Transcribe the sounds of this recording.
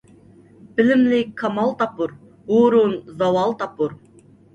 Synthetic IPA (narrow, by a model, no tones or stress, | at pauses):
b̥ɪlɪmlɪkʲkʰːɑmɑlˠt̪ɑpːuɾ | oɾunzɑwɑlˠt̪ɑpuɾ